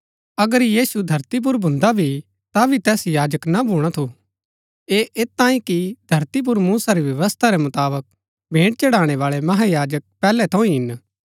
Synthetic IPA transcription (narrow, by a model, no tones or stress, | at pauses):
ɐɡəɾjiːsud̪ʱɐɾt̪ip̬ʊɾbʱʊ̃nd̪abʱi | t̪abʱit̪ɛːsjaːd͡ʒəknabʱuːɽ̃at̪ʰu | eːʔeːt̪ãːĩkid̪ʱɐɾt̪ip̬ʊɾmuːsaɾiʋjɐʋəst̪ʰaɾɛmʊt̪aːbək̚ | bʱẽːʈ̚t͡ʃɐɽaːɽ̃eʋaːɭɛmɐɦajaːd͡ʒək̚pɛːlɛt̪ʰɐ̃ĩɦɪn